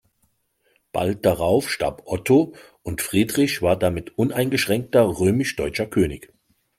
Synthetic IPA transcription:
b̥a̰lt̚d̥aʁaʊfʃta̰ɐpʔɔtʰo | ʔʊntfʁ̥iːdʁɪçv̥aːɐdamɪtʔʊnaɪnɡəʃʁ̥ɛŋk̚tɐʁøːmɪʃd̥ɔʏt͡ʃɐkʰøːnɪç

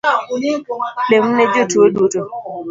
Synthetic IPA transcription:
lem̩ned͡ʒotuoduto

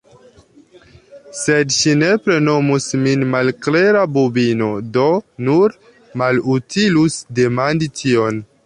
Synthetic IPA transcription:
se̞dʃine̞pɾe̞no̞musminmalkle̞ɾabubino̞do̞nuɾ | malutʰilusde̞manditʰio̞n

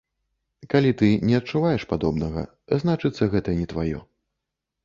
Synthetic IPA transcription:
kalʲit̪ɨnʲɛɐt̪̚t͡ʂuvajɛʂpad̪ɔbnɐɣɐ̰ | znat͡ʂɨt̪sːɐɣɛt̪ɐnʲɛt̪vajɔ̰

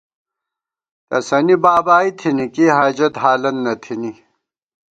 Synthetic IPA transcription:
t̪ɐsɐnibaːbaːit̪ʰinikiɦaːd͡ʑɐt̪ɦaːlɐnːɐt̪ʰini

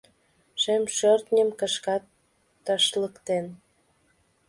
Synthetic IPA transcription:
ʃemʃørt̪nʲəmkə̆ʃkɑt̪ː | ɑʃləkt̪en

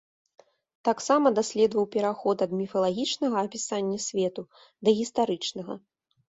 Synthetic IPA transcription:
t̪aksamɐd̪asʲlʲɛd̪vɐwpʲɛɾaxɔt̪ɐd̪mʲifɐlˠaɣʲit͡ʂnɐɣɐːpʲisanʲːɐsʲvʲɛt̪u | d̪ɐɣʲist̪aɾɨt͡ʂnɐɣɐ̰

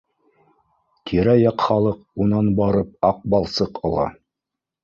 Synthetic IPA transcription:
t̪ʰiɾæjɑqχɑlˠɤqunɑnbɑɾɤp̚ɑq̚bɑlˠsɤqɑ̰lˠɑ̰

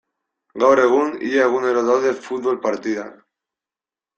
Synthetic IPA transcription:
ɡawɾeɣ̞unḭʎaeɣuneɾoðawðefut̪̚βolpaɾt̪iða̰

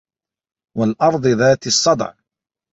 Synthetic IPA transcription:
walʔɑɾˤd̪ˤɨðaːt̪ɨsˤːɑd̪̰ʕ

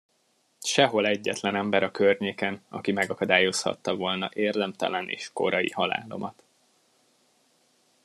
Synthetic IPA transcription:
ʃɛɦo̞lɛɟːɛt̪lɛnɛmbɛɾɒkørɲeːkɛnɒ̰kimɛɡɒkɒd̪aːjo̞shɒ̰t̪ːɒvo̞lnɒʔeːrd̪ɛmt̪ɛ̰lɛnʔḛːʃko̞̰ɾɒjḭhɒla̰ːlo̞̰mɒt̪

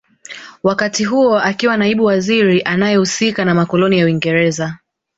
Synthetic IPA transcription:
wakatiɦuɔakiwanaiɓuwaziɾiʔanajɛhusikanamakɔlɔnijawiŋɡɛɾɛza

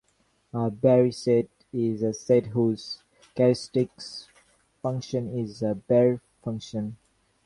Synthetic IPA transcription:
əbɛɹisɛʈ | ɪzəsɛtɦuːz̥ | kɛɾsʈɪks | fʌ̃ŋkʃə̃nɪzəbɛɹ | fʌ̃ŋkʃə̃n

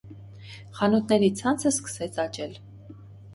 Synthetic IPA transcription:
χɑnut̪ʰnɛɾit͡sʰɑnt͡sʰəskə̥sɛt͡sʰɑt͡ʃɛl

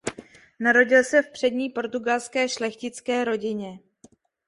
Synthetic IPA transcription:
naɾo̞ɟɪlsɛfpr̝̥ɛdɲiːpo̞ɾt̪uɡalskɛːʃlɛxcɪt͡skɛːɾo̞ɟɪɲɛ

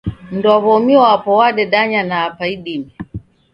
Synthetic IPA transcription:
m̩ndɔaβɔmiɔapɔwaɗɛɗaɲanaːpaiɗimɛ

